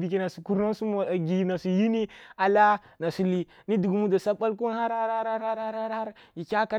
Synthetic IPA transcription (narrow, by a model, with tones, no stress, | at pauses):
bi˨k̬i˦na˨su˨ku˦ɾna˦su˦ma˨ɡi˨na˨su˨ji˦ni˦a˨la˦ | na˨su˨li˦ | ni˦du˨ɡu˨mu˦da˨sa˦ba˦lk̬u˦n˦ha˦ɾha˦ha˦ɾa˦ɾha˦ɾha˦ɾha˦ɾha˦ɾji˨kʲa˦ka˦